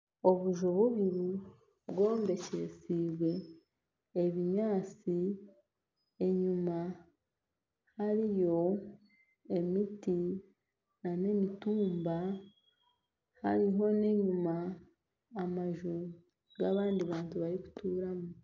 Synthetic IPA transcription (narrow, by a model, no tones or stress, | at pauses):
o̞βuʒoβuβiɾu | βɡo̞ːmbe̞cesiːβwe̞ | eβiɲaːt͡si | e̞ɲuma | haɾijo̞ | e̞miti | nane̞mituːmba | ha̰ɾiɦo̞ne̞ɲumaː | maʒu | ɡaβaːndiβaːntuβaɾiku̥tuːɾamu